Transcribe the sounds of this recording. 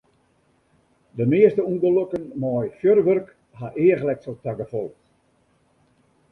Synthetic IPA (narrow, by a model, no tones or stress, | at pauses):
dəmeəstəuɡolokənmɔjfjørʋørk | haʔeəɣəlɛk̚soltaɡəfolˠ